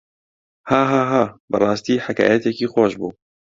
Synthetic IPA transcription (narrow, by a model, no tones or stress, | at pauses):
haːɦaːɦaːbɨrˤɑːst̪iːħaka̰ːjɛt̪ɛkiːxʷoːʃbṵː